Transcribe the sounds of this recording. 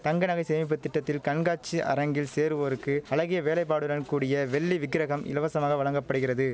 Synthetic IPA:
t̪ɐŋɡɐnɐɣɐɪseːmɪp̬ːɯt̪ːɪʈːɐt̪ːɪlkɐɳɡaːt͡ʃːiʔɐ̰ɾɐŋɡɪlseːɾɯʋɐɾɯkːɯɐlɐɣɪjɐʋeːlɐɪp̬ːaːɽɯɾɐnkuːɽɪjɐʋɛɭːiʋɪɡɪɾɐɣɐmʔɪ̰lɐʋɐsɐmaːɣɐʋɐɭɐŋɡɐpːɐɽɯɣɪrɐðɯ

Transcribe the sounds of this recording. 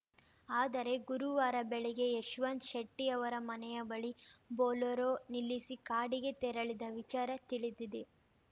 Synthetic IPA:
aːd̪ɐɾe̞ɡuɾuʋaːɾɐbɛɭɛɡe̞jeʃʋɐnd̪ʃɐʈːijɐʋɐɾɐmɐnɛjɐbɐɭiboːlɐɾoːnilːisikaːɽiɡe̞t̪ɛɾɐɭid̪ɐʋit͡ʃaːɾɐt̪iɭid̪id̪e

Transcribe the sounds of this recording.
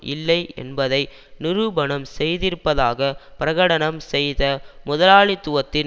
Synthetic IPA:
ʔɪ̰lːɐɪɛ̰nbɐðɐɪ | nɪɾɯbɐɳɐmsɛjðɪɾɯpːɐðaːɣɐpɪɾɐɣɐɽɐɳɐmsɛjðɐmʊðɐlaːɭɪt̪ːʊʋɐt̪ːɪn

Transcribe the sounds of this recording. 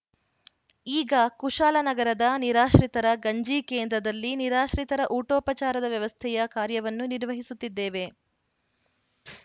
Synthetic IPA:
iːɡɐkuʂaːlɐnɐɡɐɾɐd̪ɐniɾaːʃɾit̪ɐɾɐɡɐɲd͡ʒiːkeːnd̪ɾɐd̪ɐlːiniɾaːʃɾit̪ɐɾɐʔuːʈɔːpɐt͡ʃaːɾɐd̪ɐʋjɐʋɐst̪ʰɛjɐkaːɾjɐʋɐnːuniɾʋɐɦisut̪ːid̪ːeːʋe̞

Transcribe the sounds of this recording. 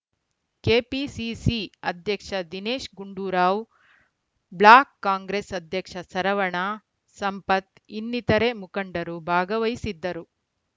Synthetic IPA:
keːpisisiɐd̪ʱjɐkʂɐd̪ineːʂɡuɳɖuːɾaːw | bɭaːkːaːŋɡɾesɐd̪ʱjɐkʂɐsɐɾɐʋɐɳɐ | sɐmpɐt̪ | inːit̪ɐɾemukɐɳɖɐɾubʱaːɡɐʋɐjisid̪ːɐɾu

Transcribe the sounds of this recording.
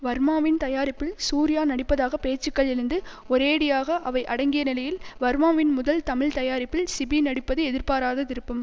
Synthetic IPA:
ʋɐɾmaːʋɪnt̪ɐjaːɾɪpːɪlsuːɾɪjaːnɐɽɪpːɐðaːɣɐpeːt͡ʃːɯkːɐɭɪɾɯnd̪ɯ | ɔɾeːɽɪjaːɣɐʔɐʋɐɪʔɐɽɐŋɡɪjɐnɪlɐjɪlʋɐɾmaːʋɪnmʊðɐlt̪ɐmɪɭt̪ɐjaːɾɪpːɪlsɪbinɐɽɪpːɐðɯɛðɪɾpaːɾaːðɐt̪ɪɾɯpːɐm

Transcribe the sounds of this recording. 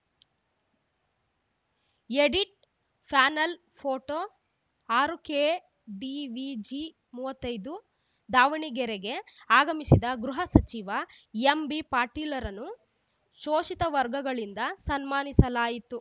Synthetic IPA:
eɽiʈ̚ | pʰaːnɐl | pʰoːʈo | aːɾukeː | ɖiʋid͡ʒi | muːʋɐt̪ːɐjd̪u | d̪aːʋiɳiɡɛɾɛɡe̞aːɡɐmisid̪ɐɡɾuɦɐsɐt͡ʃiʋɐ | embipaːɾʈiːlɐɾɐnːu | ʃoːʃit̪ɐʋɐɾɡɐɡɐɭind̪ɐsɐnmaːnisɐlaːjit̪u

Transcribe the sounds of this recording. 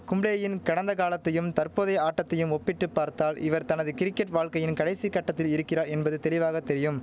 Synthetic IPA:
kʊmbɭeːɐjɪnkɐɽɐnd̪ɐɣaːlɐt̪ːɐjɯmt̪ɐɾpoːðɐɪaːʈːɐt̪ːɐjɯmɔpːɪʈːɯpːaːɾt̪aːlʔɪ̰ʋɐɾt̪ɐnɐðɯkɪɾɪkːɛʈʋaːɭkɐjɪnkɐɽɐɪsikːɐʈːɐt̪ːɪlɪɾɯkːɪraːɾɛnbɐðɯt̪ɛlɪʋaːɣɐt̪ɛɾɪjɯm

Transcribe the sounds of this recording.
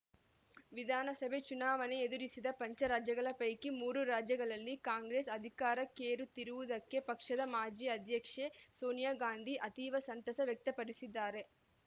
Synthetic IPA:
ʋid̪ʱaːnɐsɐbʱe̞t͡ʃunaːʋɐneed̪uɾisid̪ɐpɐɲt͡ʃɐɾaːd͡ʒjɐɡɐɭɐpɐjkimuːɾuɾaːd͡ʒjɐɡɐɭɐlːikaːŋɡɾeːsɐd̪ʱikaːɾɐkeːɾut̪iɾuʋud̪ɐkːe̞pɐkʂɐd̪ɐmaːd͡ʒiːɐd̪ʱjɐkʂesoːnjaːɡaːnd̪ʱiʔɐt̪iːʋɐsɐnt̪ɐsɐʋjɐk̚t̪ɐpɐɽisid̪ːaːɾe̞

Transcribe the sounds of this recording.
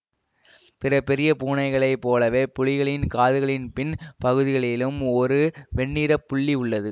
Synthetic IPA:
pɪɾɐpːɛɾɪjɐpuːnɐɪɣɐɭɐɪpːoːlɐʋeːpʊɻɪɣɐɭɪnkaːðɯɣɐɭɪnpɪnpɐɣɯðɪɣɐɭɪlɯmɔɾɯʋɛɳːiːɾɐpːʊɭːiʊɭːɐðɯ

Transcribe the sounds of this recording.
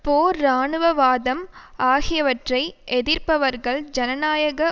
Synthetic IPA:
poːɾaːɳɯʋɐʋaːðɐmaːɣɪjɐʋɐʈrɐɪʔɛðɪɾpɐʋɐɾɣɐɭd͡ʒɐnɐnaːjɐɣɐ

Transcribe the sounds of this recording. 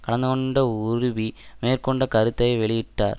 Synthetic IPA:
kɐɭɐnd̪ɯɣoɳɖɐuɾuʋimeːɾkoɳɖɐkɐɾut̪ːɐjɐʋeɭijiʈːaːɾ

